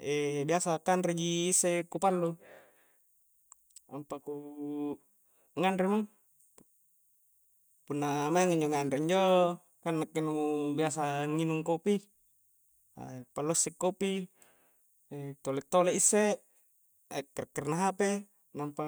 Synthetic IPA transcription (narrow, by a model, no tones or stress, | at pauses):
ebiasakanɾed͡ʒiːsːekupalːu | ampaku | ŋandɾema | punːamaiŋiɲd͡ʒoŋandɾeiɲd͡ʒo | kanːakːinubias̬aŋinuŋkopi | a̰palːusːikːopi | et̪olet̪ːoleʔisːe | kːrkːərnaɦape | nampa